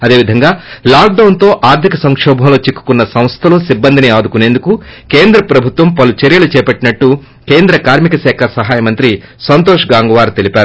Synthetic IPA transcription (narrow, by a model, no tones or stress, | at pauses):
ɐd̪e̞ːʋid̪ʱɐŋɡaːlaːk̚ɖɐwnt̪o̞ːʔaːɾt̪ʰikɐsɐŋkʂɔːbʱɐmlo̞ːt͡ʃikːu̥kunːɐsɐ̃m̃st̪ʰɐloːsibːɐnd̪ʱiniaːd̪ukune̞ːnd̪ukuke̞ːnd̪ɾɐpɾɐbʱut̪ʋɐmpɐlut͡ʃeɾjɐlut͡ʃɛːpɐʈːinɐʈːu | ke̞ːnd̪ɾɐkaːɾmikɐʃɛːkʰɐsɐɦaːjɐmɐnt̪ɾi | sɐnt̪̬oːʂɡaːŋɡɐʋaːɾt̪e̞lipʲaːɾu